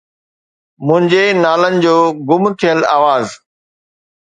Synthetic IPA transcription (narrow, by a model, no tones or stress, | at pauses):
mʊ̃ɦɪ̃ɲd͡ʑenaːlənɪ̆d͡ʑoːɡʊmt̪ʰijəlaːʋaːz